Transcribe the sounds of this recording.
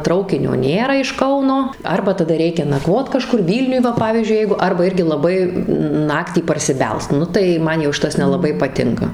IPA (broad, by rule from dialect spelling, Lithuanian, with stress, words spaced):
ˈtrɐʊkʲɪnʲoː ˈnʲeːrɐ ɪʃ ˈkɐʊnoː ˈɐrbɐ tɐˈdɐ ˈrʲɛɪkʲɛ nɐˈkʋoːt kɐˈʃkʊr ˈʋʲiːlʲnʲʊj ˈʋɐ ˈpɑːʋʲiːzʲd͡ʒʲʊɪ ˈjɛɪɡʊ ˈɐrbɐ ˈɪrʲɡʲɪ lˠɐˈbɐɪ ˈnɑːktʲiː pɐrʲsʲɪˈbʲɛlˠst ˈnʊ tɐɪ ˈmɐn jɛʊ ˈʃʲɪtɐs nʲɛlˠɐˈbɐɪ pɐˈtʲɪŋkɐ